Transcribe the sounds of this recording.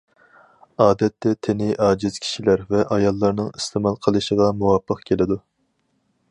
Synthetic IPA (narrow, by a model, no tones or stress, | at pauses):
ɑːd̪ɛt̪ːɛt̪ʰenɪʔɑːd͡ʒiz̥kʲʰi̥ʃilæɾvɛʔɑjɑlˠːɑɾnɨŋist̪ʰemɑlˠqʰəlˠɨʃəʁɑmuwɑpʰːəqkʲʰelɪd̪u